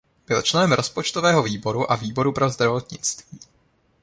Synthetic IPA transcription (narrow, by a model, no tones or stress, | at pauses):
b̥ɪlt͡ʃlɛnɛmɾʔo̞spot͡ʃt̪ovɛːɦo̞viːbo̞ɾuʔaviːbo̞ɾupɾo̞zd̪ɾavo̞t̪ɲɪt͡st̪v̥iː